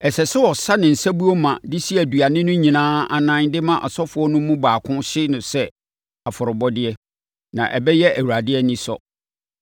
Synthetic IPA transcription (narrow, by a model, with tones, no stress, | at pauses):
ɛ˨sɛ˨sɛ˦wɔ˨sa˦nɪ̃˨n̩˨sa˦bu˦o˦mã˨dɪ˦si˦ɛ˨du˨a˨nɪ̃˦nʊ̃˦ɲĩ˨nãː˦a˨nã˦ŋdɪ˦mã˦ʔɔ˨sɔ˦fʊ˨˦ɔ˦nʊ̃˦mũ˦baː˨kʰʊ̃˦ɕɪ˦nʊ̃˨sɛ˦ | a˨fʊ˨ɾʊ˨bɔ˦dɪ˦ɛ˦ | nã̰˨ʔɛ˨bɛ˦jɛ˦ʔæ˨wu˨ɾa˨dɪ˦ɛ˦nĩ˦sɔ̰˦˨